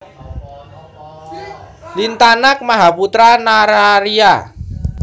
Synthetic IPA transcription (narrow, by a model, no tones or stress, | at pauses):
lint̪anak̚maɦaput̪ɾanaɾaɾia